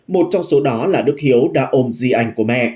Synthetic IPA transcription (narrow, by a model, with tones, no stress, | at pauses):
mo˨˩t̚t͡ɕɔ˧wŋ͡mso˨˦ɗɔ˨˦laː˨˩ɗɨ˦˥k̚hi˨˦əwɗa̰ː˧ʔo˧mzi˧ʔa˧jŋ̟ku˧˩əmɛ̰˧˨